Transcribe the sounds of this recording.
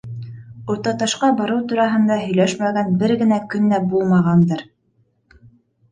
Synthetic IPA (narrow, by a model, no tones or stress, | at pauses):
ŏɾt̪ɑt̪ɑʃqɑbɑɾɤwt̪uɾɑɦɤ̆nd̪ɑɦɵ̆jlæʃmæɡænbɘɾɡɘ̆nækɵ̆nːæbulˠmɑʁɑnd̪ɤɾ